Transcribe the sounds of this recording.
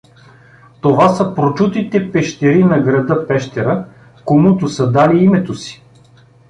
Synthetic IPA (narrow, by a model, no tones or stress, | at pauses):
t̪ovasəpɾot͡ʃut̪it̪ɛpɛʃt̪ɛɾinɐɡɾɐd̪ɤpɛʃt̪ɛɾə | komut̪ʊsɐd̪aliimɛt̪osi̥